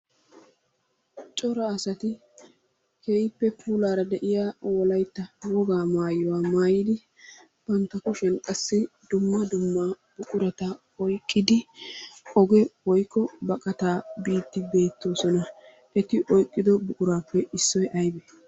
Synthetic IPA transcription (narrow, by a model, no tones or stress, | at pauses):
t͡ʃʼɔɾɐːsɐt̪ɪ | kʰeːjpːɛpʰuːlaːɾɐd̪ɛʔɪjaːwɔlɐjt̪ːɐwɔɡaːmaːjɔwaːmaːjɪd̪ɪ | b̥ɐnt̪ːɐkʊʃɛnkʼɐsːɪd̪ʊmːɐd̪ʊmːa | b̥ʊkʼʊɾɐt̪ɐ | ɔjkʼːɪd̪ɪ | ɔɡɛwɔjkːɔbɐkʼɐt̪aːbiːt̪ːɪbe̞ːt̪ːo̞ːsɔnɐ | ʔɛt̪ɪʔɔjkʼːɪd̪ɔbʊkʼʊɾaːpːɛɪsːɔjʔɐjbɛ